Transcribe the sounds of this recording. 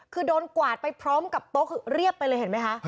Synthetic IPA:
kʰɯː˧doː˧nkwaː˨˩t̪̚pa˧jpʰɾɔː˦˥mka˨˩p̚t̪o˦˥kʰɯː˧ɾi˥˩əpːa˧jlɤː˧jɦe˩˦ma˦˥jkʰa˦˥ʔ

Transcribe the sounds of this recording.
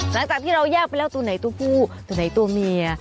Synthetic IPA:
la˨˩˦ŋt͡ɕaː˨˩t̪ʰiː˥˩ɾa˧wjaː˥˩k̚pa˧jlɛː˦˥wt̪u˧na˩˦jt̪u˧ɐpʰuː˥˩t̪u˧əna˨˩˦jt̪u˧ɐmi˧ɐ

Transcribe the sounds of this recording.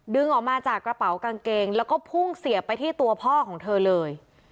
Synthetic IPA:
dɯ˧ŋʔɔː˨˩k̚maː˧t͡ɕaː˨˩kɾa˧pa˩˦wka˧ŋkeː˧ŋlɛː˦˥wkɔː˥˩pʰu˥˩ŋsi˨˩˦ɐpa˧jt̪ʰiː˥˩t̪u˧ɐpʰɔː˥˩kʰɔː˩˦ŋt̪ʰɤː˧lɤː˧j

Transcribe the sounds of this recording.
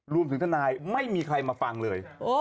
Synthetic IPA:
ɾu˧əmt̪ʰɯ˩˦ŋt̪ʰnaː˧jma˥˩jmiː˧kʰɾa˧jmaː˧fa˧ŋlɤː˧jo

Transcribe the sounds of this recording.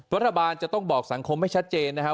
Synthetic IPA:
ɾa˦˥t̪ʰːa˧baː˧nt͡ɕa˨˩t̪ɔ˥˩ŋbɔː˨˩k̚sa˩˦ŋkʰo˧mːa˥˩jt͡ɕʰa˦˥t̪̚t͡ɕeː˧nːa˦˥kʰa˦˥

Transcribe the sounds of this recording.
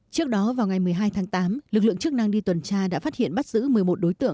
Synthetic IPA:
t͡ɕɨ˦˥ək̚ɗɔ˨˦vaː˨˩wŋa˨˩jmɨ˨˩əjɦaː˧jt̪ʰaː˨˦ŋt̪aː˨˦mlɨ˨˩k̚lɨ̰˧əŋt͡ɕɨ˦˥ək̚na˧ŋɗi˧t̪wə˨˩nt͡ɕaː˧ɗa̰ː˧˥faː˦˥t̚hḭ˧˨ənɓa˦˥t̚z̥ɨ̰˧˥mɨ˨˩əjmo˨˩t̚ɗo˨˦jt̪ɨ̰˧əŋ

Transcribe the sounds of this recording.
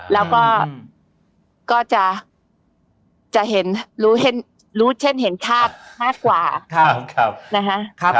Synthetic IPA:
lɛː˦˥wkɔː˥˩ | kɔː˥˩t͡ɕa˨˩ʔ | t͡ɕa˨˩ɦe˩˦nɾuː˦˥ɦe˨˩˦n | ɾuː˦˥t͡ɕʰe˥˩nɦe˩˦nt͡ɕʰaː˥˩t̪̚maː˥˩kːwaː˨˩kʰkʰa˧na˦˥kʰa˦˥ʔkʰ

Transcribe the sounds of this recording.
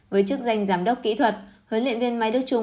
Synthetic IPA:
vəː˨˦jt͡ɕɨ˦˥ək̚za˧jŋ̟zaː˨˩mɗə˦˥wk͡p̚kḭ˧˥t̪ʰwə˨˩t̚həː˨˦nlḭ˧˨ənvi˧ənma˧jɗɨ˦˥ək̚t͡ɕʊ˧

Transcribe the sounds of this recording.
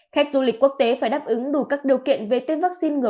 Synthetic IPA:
xa˦˥jk̟̚zu˧lï˨˩k̟kːu˦˥ək̚t̪e˨˦faː˧˩jɗaː˦˥p̚ʔɨ˨˦ŋɗu˧˩kaː˦˥k̚ɗi˨˩əwkḭ˧˨ənve˨˩t̪e˧nvaː˦˥k̚si˧nŋɨ˨˩

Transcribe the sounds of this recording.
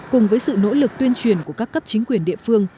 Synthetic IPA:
kʊ˨˩ŋ͡mvəː˨˦jsɨ̰˧˨no̰˧˥lɨ˨˩k̚t̪wi˧ənt͡ɕwi˨˩ənku˧˩əkaː˦˥kːə˦˥p̚t͡ɕï˨˦ŋ̟kwi˧˩ənɗḭ˧əfɨ˧əŋ

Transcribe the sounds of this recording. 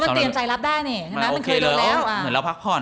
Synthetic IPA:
m˥˩˧t̪i˧˩ət͡ɕa˧jla˦˥p̚daː˥˩jniː˧˩kʰa˧na˦˥a˧˩k̪ʰːlɛː˦˥wʔa˧m˩ɯ˩˦nlɛ˦˥wpʰa˦˥pʰɔː˧˥˩

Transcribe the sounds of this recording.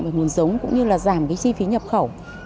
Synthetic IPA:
vaː˧˩ŋu˨˩ənzə˨˦wŋ͡mkʊ̰˧˥ŋ͡mɲɨ˧laː˨˩zaː˧˩mkaː˨˦jt͡ɕi˧fi˨˦ɲə˨˩p̚xə˧˩w

